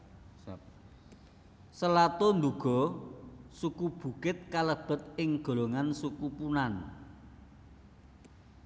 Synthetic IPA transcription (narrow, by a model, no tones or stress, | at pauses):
səlat̪ɔnd̪uɡ̥ɔ̤ | sukub̥ṳkɪt̪̚kaləb̥ə̤t̪̚ɪŋɡ̥o̤loŋansukupunan